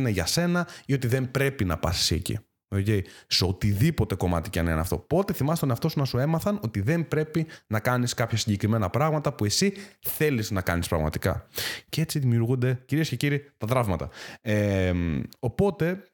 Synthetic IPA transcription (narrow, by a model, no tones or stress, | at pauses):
neʝɐse̞nɐio̞t̪iðe̞mpɾe̞pinɐpɐsi̥sḭcḭ | o̞ce̞jseot̪iðipo̞t̪e̞ko̞mɐ̰t̪iceɐnenɐ̰ft̪o̞̰po̞t̪e̞θimɐst̪eonɐft̪o̞sunɐsue̞mɐθɐno̞t̪iðe̞mbɾe̞pinɐkɐniskɐpçɐsiɲɟe̞kɾime̞nɐpɾɐɣmɐt̪ɐpue̞siθe̞liznɐkɐnispɾɐɣmɐ̰t̪i̥kɐ̰cee̞t͡siðimiuɾɣund̪e̞ciɾie̞sce̞ciɾit̪ɐt̪ɾɐvmɐt̪ɐ̰emo̞po̞t̪e̞